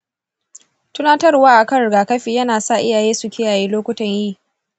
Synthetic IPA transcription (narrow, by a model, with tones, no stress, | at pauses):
tʊ˦naː˦tɐ˦rwaː˦ʔa˨kɐ˦ɽɡaː˨kɐ˦ɸiː˨jɐ˦naː˨sa˦˨ʔɪ˦jaː˨jeː˦su˨kʲɪ˦jaː˨jeː˦loː˦kʷʊ˦tɐ˨ɲjiː˦˨